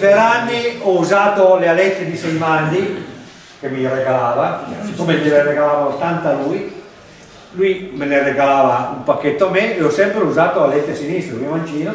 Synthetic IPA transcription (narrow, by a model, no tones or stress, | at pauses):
peɾanːiɔuzaːt̪olealɛt̪ːed̪isɛjmand̪i | kemireɡalaːvakomeʎilereɡalaːvaot̪ant̪aluːj | luimelereɡalaːvaumpakːet̪ːoameeɔsɛmpɾeuzaːt̪oalɛt̪ːesinist̪ɾemiomant͡ʃiːno